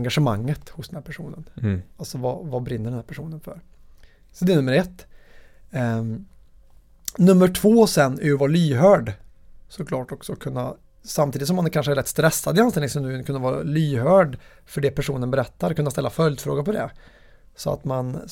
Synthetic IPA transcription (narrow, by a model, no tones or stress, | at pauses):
ŋɡaʂəmaŋːət̪hʊsd̪ɛnh̪æɾpʰæʂuːnə̰nalsɔvavabɾɪnːəɖɛnh̪æɾpʰæʂuːnənfœ̰ɾ | sɔd̪ɛnɵmːəɾɛt̪ː | nɵmːəʈʰvoːsɛnæɾjɵvɑːɾlyːɦœːɖ | sɔkʰlɑːʈɔksɔkʰɵnːa̰ | samt̪iːd̪t̪sɔmːankʰanʂəɛɾɛt̪ːst̪ɾɛsːad̪ɪanst̪ɛlɪŋsɔmd̪nkʰɵnːavɑːɾlyːɦœːɖ | fœɖɛpʰæʂuːnənbɛɾɛt̪ːaɾkɵnːast̪ɛlːafœljd̪fɾo̰ːɡapɔd̪ɛ̰ | sɔa̰t̪man